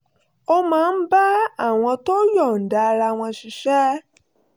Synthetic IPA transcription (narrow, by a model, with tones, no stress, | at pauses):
ɔ˦mãː˨˦˧n̩˦ba˦a˦˨w̃ɔ̃˧to˦jɔ˦˨n̩˨da˨˧ɾa˧˨w̃ɔ̃˧ʃi˨ʃɛ˦